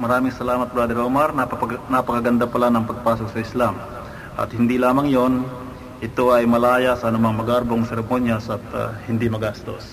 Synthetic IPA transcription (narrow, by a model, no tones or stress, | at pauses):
mɐɾaːmɪŋsɐlaːmɐt̪̚bɾaːd̪ɪɾomɐɾnnɐpɐkɐɡɐnd̪apɐlanɐŋpɐɡ̚paːsok̚sɐɪslam | ʔɐ̰t̪hɪnd̪ilaːmɐŋjon | ʔɪt̪o̞ʔɐjmɐlaːjasɐʔɐnʊmɐŋmɐɡaɾboŋsɛɾɛmonjasɐt̪hɪnd̪imɐɡast̪o̞s